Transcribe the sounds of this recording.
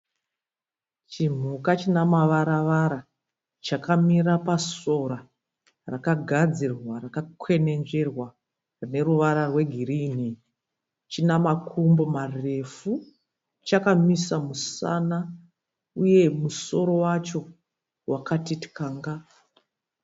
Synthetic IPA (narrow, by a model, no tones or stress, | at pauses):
t͡ʃim̤ukat͡ʃinamaʋaɾaʋaɾa | t͡ʃakamiɾapaso̞ɾa | rakaɡʱad͡zirwarakakwe̞ne̞nd͡ʒe̞rwa | rine̞ruʋaɾarwe̞ɡʱiriːni | t͡ʃinamakʰumbo̞mare̞fu | t͡ʃakamisamusa̰na | uje̞muso̞ɾo̞wat͡ʃo̞ | wʔakatiti̥kaːŋɡa